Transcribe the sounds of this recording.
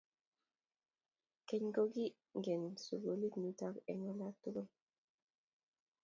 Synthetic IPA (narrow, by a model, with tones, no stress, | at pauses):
keɲɡoɡi˦ | ŋɡe˨nsu˨ɡoli˦tnut̪akḛ˨ŋolat̪u˦lu˦